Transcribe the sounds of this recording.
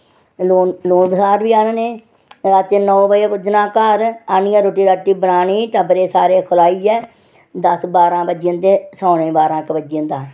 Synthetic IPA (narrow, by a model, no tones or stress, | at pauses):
loːnloːnbəsaːɾʋiːaːnaːneː | ɾaːt̪eːnɔːbəeːpʊd͡ʒnãːkəɾaːniaːɾoːʈiːɾaːʈːiːbənaːnĩːʈəbɾeːsaːɾeːkʰʊlaːiːɛː | d̪əsbaːɾãːbəd͡ʒiə̃ːnt̪eːsɔːnẽːbaːɾãːkəbəd͡ʒiə̃nd̪aː